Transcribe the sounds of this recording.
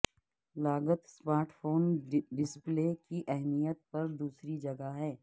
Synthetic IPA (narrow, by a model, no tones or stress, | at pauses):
laːɡət̪smaːɾʈʰfʰoːnɖɪspleːkiʔɛɦmijət̪̚pɐɾd̪uːsɾid͡ʒɐɡaɦɛː